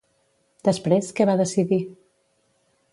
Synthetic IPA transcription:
d̪əspɾeskəβaðəsiði

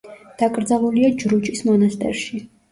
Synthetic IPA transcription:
d̪̥akʼɾd̪zalˠuliad͡ʒɾut͡ʃʼismɔnast̪ʼɛ̰ɾʃi

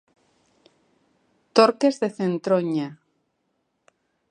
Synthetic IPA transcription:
t̪oɾke̞zðe̞θe̞nt̪ɾoɲa

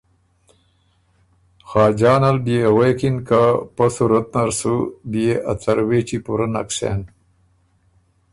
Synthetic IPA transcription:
xɑːd͡ʒɑːnalbijewejkinkapasuɾɐt̪̚naɾsubieʔat͡saɾweːt͡ʃipuɾana̰kʂḛn

